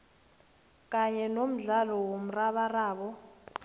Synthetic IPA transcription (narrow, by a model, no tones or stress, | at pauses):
k̬ʼaɲɛnom̩ɮalɔwom̩raɓaraːɓɔ